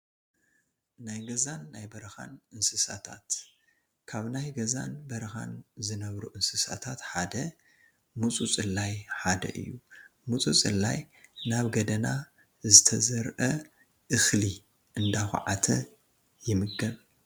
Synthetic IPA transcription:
najɡɐzanːajbɐɾɐxa̰nɨnsɨsat̪ʰa̰t̪ | kʰaβnajɡɐza̰nbɐɾɐxa̰nzɨnɐβɾuʔɨnsɨsa̰t̪ʰat̪ħad̪ɐ | mut͡sʼut͡sʼɨlːajħad̪ɐ̰ʔɨ̰jːumut͡sʼut͡sʼɨlːaj | naβɡɐd̪ɐna | zɨt̪ʰɐzɐɾʔɐ | ʔɨxli | ʔɨnd̪axṵʕat̪ʰɐ̰ | jɪmɨɡɐβ

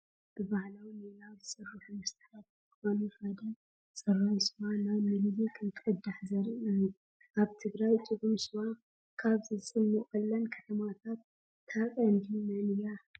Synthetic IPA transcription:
b̥ɨβahlawninawzɨsʼɨrːuħumɐt̪ɨħat̪kʰɨxo̞nufɐd̪ɐl | sʼɐrajsɨmanajmɨlzikʰɐnt̪ʰɨkʼɨd̪ːaħzɐɾiʔu | aβt̪ʰɨɡɾajt͡ʃʼɨʔʼumsɨma | kʰaβzɨsʼɨnːɨχʼɐlːɐnkʰɐt̪ʰɐmat̪ʰat̪ʰː | akʼɐnd̪imɐnja

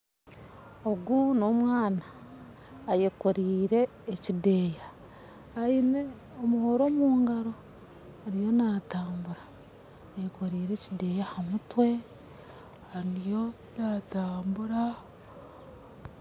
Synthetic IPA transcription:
oɡuno̞ːmwaːnaː | jekoɾiːɾe̞ː | cide̞ːja | aine̞ | omuhoɾo̞muːŋɡaɾo̞ | aɾijo̞naːtaːmbuɾaː | jeko̞ɾiːɾe̞cide̞jahamutwe̞ | haɾijo̞ | naːtaːmbuɾa

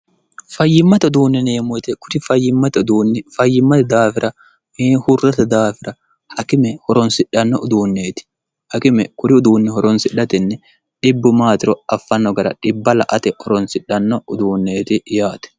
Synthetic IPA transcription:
fɐjːɪmːɐt̪ʊd̪uːnːɛneːmɔt̪ɛkʊɾɪfɐjːɪmːɐt̪ɐʊd̪uːnːɪfɐjːɪmːɐt̪ɐd̪aːfɪɾʔɐ | ehʊrːɐt̪ɐd̪aːfɪɾɐ | hɐkɪmɛhɔɾɔnsɪᶑɐnːɔʔʊd̪uːnːeːt̪ɪ̥ | hɐkɪmɛkʊɾɪʊd̪uːnːɪhɔɾɔnsɪᶑɐt̪ɪnːɛ | ᶑɪbːʊmaːt̪ɪɾɔɐfːɐnːɔɡɐɾɐ̰ᶑɪbːɐlɐʔɐt̪ɛʔɔɾɔnsɪᶑːɐnːɔʔʊd̪uːnːeːt̪ɪjaːt̪ɛ̥

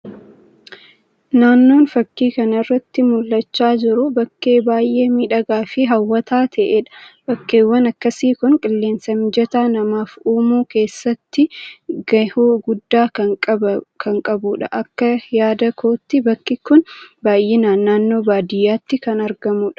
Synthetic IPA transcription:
naːnːo̞ːnfɐkːiːkɐnɪrːɐt̪ːɪmʊlːɐt͡ʃːaːd͡ʒɪɾʊbɐkːeːbaːjʔeːmiːᶑɐɡaːfɪɦɐwːɐt̪ʰaːt̪ʰɐʔeᶑɐ̥b̥ɐkːeːwːɐnɐkːɐsiːkʊŋkʼɪlːe̞ːnsɐmd͡ʒɛt̪aːnɐmaːfuːmuːke̞ːsːɐt̪ːɪɡɐhuːɡʊd̪ːaːkɐɐkʰɐŋkʼɐbuːᶑɐʔɐkːɐjaːd̪ɐkʰoːt̪ːɪbɐkːɪkʊnbaːjʔeːnaːnːaːnːo̞ːbaːd̪ɪjːaːt̪ːɪkɐnɐɾɡɐmuːᶑɐ̥

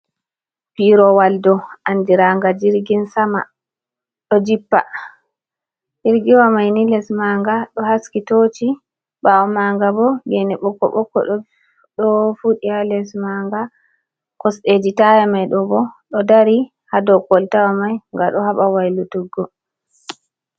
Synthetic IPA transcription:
piɾɔwaldɔʔanːdiɾaŋɡad͡ʒiɾɡinsama̰ | ɗɔd͡ʒipːa̰ | d͡ʒiɾɡiwamajnilɛsmaŋɡaɗɔhaskitot͡ʃi | bawɔmaŋɡabɔɡɛnɛɓɔkːɔ̰ɓɔkːɔ̰ɗ | ɗɔfuɗialɛsmaŋɡa | kɔsɗed͡ʒitajamajɗɔbɔɗɔdaɾi | hadɔkɔltawamajŋɡaɗɔhaɓawajlutuɡːɔ

